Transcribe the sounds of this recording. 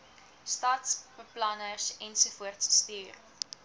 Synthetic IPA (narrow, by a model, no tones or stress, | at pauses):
stɐtsb̥əplɐnərsɛnsufuərtsːtyːr